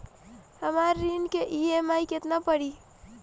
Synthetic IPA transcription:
həmaɾːinkeʔiemajket̪napəɽi

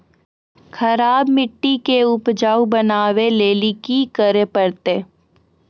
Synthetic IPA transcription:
xɐɾaːbmɪʈːikeʊpd͡ʒaːubɐnaːʋeleːlikikəɾepɐɾt̪eː

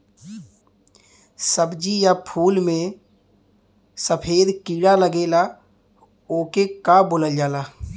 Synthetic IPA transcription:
səbd͡ʒijapʰuːlmẽ | səpʰeːd̪kiːɽaləɡeːla | oːkekabʊləld͡ʒaːlaː

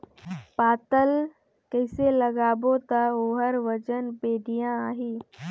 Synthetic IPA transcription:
paːt̪əl | kɛɪseləɡaːbot̪aoːɦəɾʋəd͡ʒənpeːɖijãaːɦiː

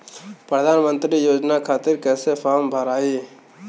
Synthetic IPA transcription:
pɾəd̪ʱaːnmə̃nt̪ɾijoːd͡ʒnakʰaːt̪ɪɾkɛːsefʰaɦmbʱəɾaːi

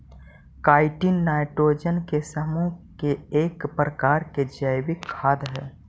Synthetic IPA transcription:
kaːɪʈinːaːɪʈɾoːd͡ʒənkesəmukeeːkpɾəkaːɾked͡ʒəjbɪkʰːaːd̪ɦɛː

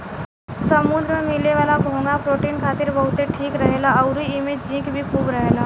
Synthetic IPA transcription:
sɐmʊ̃nd̪ɾəmẽmɪleʋaːlaɡʱõːŋɡapɾoːʈiːnkʰaːt̪ɪɾbɐɦʊt̪eʈʰiːkɾɐɦeːlaɐʊɾiimẽd͡ʒĩːkbʱikʰuːbɾɐɦeːlaː

